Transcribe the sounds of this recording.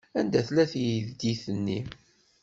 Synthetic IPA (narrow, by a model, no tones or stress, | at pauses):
ænd̪æθlæθjəðd̪iθənːi